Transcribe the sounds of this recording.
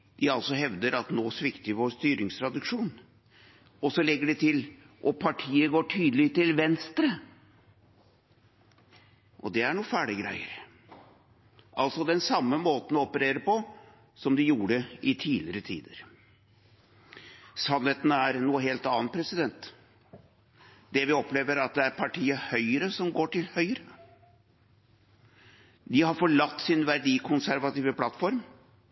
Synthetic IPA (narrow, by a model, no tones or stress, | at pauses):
d̪̥ɪɑlsɔɦɛʋd̪əɾɑt̪noːsʋɪkt̪əʋoːɾst̪yːɾɪŋst̪ʰɾɑd̪ɪkʂuːn | ɔsɔlɛɡːəɖɛt̪ʰɪl | ʔɔpʰɑʈʰiːəɡoːʈʰyːd̪əlɪt̪ɪlʋɛnst̪ɾə | ʔɔ̰d̪ɛæɳuːfæːɖɪɡɾæ̰ɪə̰ɾ | ʔɑlsɔd̪ɛnsɑmːəmoːt̪n̩ɔɔpəɾeːɾəpɔ | sɔmd̪ɪjuːɽəɪt̪ʰiːlɪəɾət̪ʰḭːd̪əɾ | sɑnheːt̪nəæɾnuːəɦeːlt̪ɑːn̚pʰɾɛsɪd̪ɛnt̪ | d̪ɛʋɪɔpleːʋəɾɑt̪̚d̪ɛæɾpʰɑʈʰiːəhœʏəɾəsɔmɡoːʈʰɪlhœʏəɾə | d̪ɪhɑɾfɔɭɑt̪ːsɪnʋæɾɖiːkʰʊnsæɾʋɑt̪iːʋəpʰlɑt̪ːfɔɾm